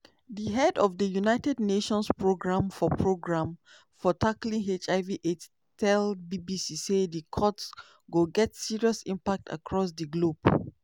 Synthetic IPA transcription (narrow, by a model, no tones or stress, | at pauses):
diɦɛdɔfdəjunaɪtɛdneʃɔ̃nspɹoɡɹãmfɔpʰɹoɡɹãm | fɔtʰaklĩŋɦet͡ʃaɪviʔet | tɛlbibisisedəkʰɔts | ɡoɡɛtsiɹiɔsĩmpak̚tʰa̰kʰɹɔs̬dəɡlob